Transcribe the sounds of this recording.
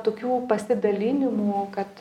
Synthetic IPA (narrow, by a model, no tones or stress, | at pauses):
t̪oːkʲuːpɐsʲɪd̪ɐlʲiːnʲɪmukɐt̪